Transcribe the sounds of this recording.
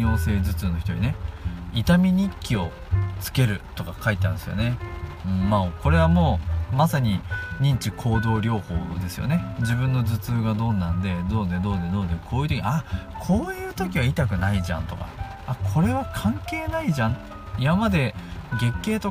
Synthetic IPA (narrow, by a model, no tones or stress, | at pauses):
o̞ːse̞ːzɨt͡sɨno̞çi̥t̪o̞ɲḭne̞it̪amʲiɲ̟ʲikʲːio̞ | t͡sɨ̥ke̞ɾɯ̟t̪o̞kakait̪eã̰nsɨjo̞̰ne̞ɯ̟̃ɴmaoko̞ɾe̞β̞amo̞ːmasaɲ̟iɲ̟ĩɲ̟t͡ɕikʰo̞ːd̪o̞ːɾʲo̞ːho̞̰ːd̪e̞sɨjo̞̰ne̞d͡ʑibɯ̟̃nːo̞zɨt͡sɨːɡad̪o̞nːãnd̪e̞d̪o̞ːd̪e̞d̪o̞ːd̪e̞d̪oːd̪ekʰo̞ːjɯ̟t̪okiiakʰo̞ːjɯ̟ːt̪o̞kʲiβait̪akɯ̟naiʑã̰nt̪o̞ka̰ | akʰo̞ɾe̞βakʰãŋke̞ːnaiʑãŋ | imamad̪e̞ɡe̞kːe̞ːt̪o̞